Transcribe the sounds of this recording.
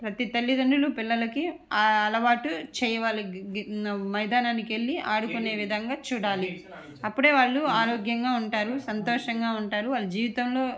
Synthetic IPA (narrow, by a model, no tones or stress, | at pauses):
pɾɐt̪it̪ɐlːid̪ɐɳɖulupilːɐlɐkiɐlɐʋaːʈut͡ʃɛːjɐʋaːlɐ | mɐjd̪ʱaːnaːnikeɭːiʔaːɽukune̞ːʋid̪ʱɐŋɡaːt͡ʃuːɽaːli | ɐpːuɽe̞ːʋaːɭːuaːɾoːɡjɐŋɡaːuɳʈaːɾusɐnt̪oːʂɐŋɡaːuɳʈaːɾuʋaːɭːud͡ʒiːʋit̪ɐmlo̞ː